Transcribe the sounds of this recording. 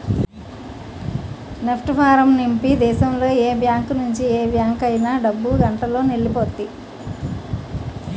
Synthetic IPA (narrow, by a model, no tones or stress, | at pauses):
nepʰʈpʰaːɾɐmnimpid̪ɛːʃɐmlo̞ːeːbjaːŋknuɲt͡ʃieːbjaːŋkɐjnaːɖɐbːuɡɐɳʈɐlo̞ːneɭːipot̪ːi